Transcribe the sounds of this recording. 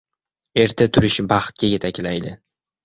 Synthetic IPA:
e̞ɾt̪ʰat̪ʰʊɾɪʃbɑχt̪̚ɡʲaje̞t̪ʰakʲlajd̪ɪ

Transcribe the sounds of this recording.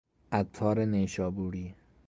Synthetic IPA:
æt̪ʰːɒːɾeneʃɒːbuːɾiː

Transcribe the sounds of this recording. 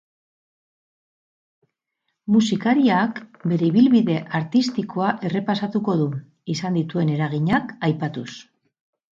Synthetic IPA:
musikaɾiakbe̞ɾe̞iβ̞ilβiðe̞ʔaɾt̪ist̪ikʰo̞aʔe̞re̞pasat̪uko̞ðu | isand̪it̪ue̞ne̞ɾaɣiɲakajpat̪us

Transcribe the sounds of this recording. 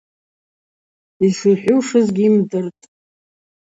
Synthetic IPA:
iʂɨħʷʊʂɨzɡʲimdɨrtʼ

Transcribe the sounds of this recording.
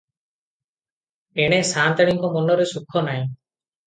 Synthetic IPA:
eɽ̃esant̪aɽiŋkɔmɔnɔɾesukʰːɔnaj̃

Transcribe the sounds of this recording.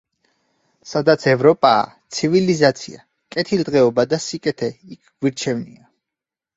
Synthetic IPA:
sad̪at̪sʰɛvɾɔpʼa̰ːt̪sʰivilizat̪sʰḭa̰ | kʼɛt̪ʰild̪ʁɛɔbad̪asikʼɛt̪ʰɛikʰɡ̥wiɾt͡ʃʰɛvnia

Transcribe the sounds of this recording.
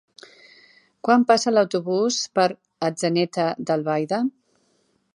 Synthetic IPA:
kwampasələwt̪uβuspəɾ | əd͡zənɛt̪əd̪əlˠβajðə

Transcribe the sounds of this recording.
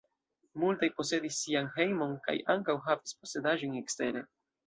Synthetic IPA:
multajpo̞se̞disːianɦe̞jmo̞nka̰jʔaŋkawɦavispo̞se̞daʒone̞kste̞ɾe̞

